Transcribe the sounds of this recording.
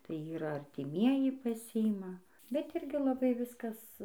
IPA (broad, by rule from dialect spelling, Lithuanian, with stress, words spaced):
tɐɪ ˈiːrɐ ɐrʲtʲɪˈmʲiɛjɪ pɐˈsʲɪɪmɐ bʲɛt ˈɪrʲɡʲɪ lˠɐˈbɐɪ ˈʋʲɪskɐs